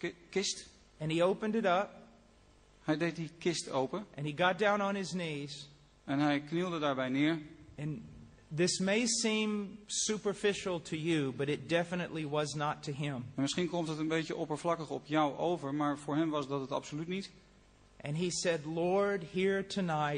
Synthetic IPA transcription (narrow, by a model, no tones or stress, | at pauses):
kɪst | ɨ̃nioʊpɨ̃ndɨɾʌp̚ | hɛjdeɪt̚dikɪstowpənʔɨ̃niɡɑt̚d̥ãʊ̃nə̃nɪzniz̥ | ɛnɦɛjknilˠdədaːɹbɛjnɪːɹɨ̃n | ðɪsmeɪsĩmsʉpə˞fɪʃl̩ˠtʰɨjɨbʌɾɨt̚d̥ɛfənɨʔˡliwʌznətʰɨɪ̃mɛnmɪsχinkɔmtɦətə̃nbejtəʔɔpəɹvlɑkəχɔpjʌwʔowvəɹmaːɹvʊːɹɦɛmʋɑsdɑtətɑ̰psolytnit | ʔɨ̃nisɛdˡlɔɹd̚hiɹtʰɨnaɪ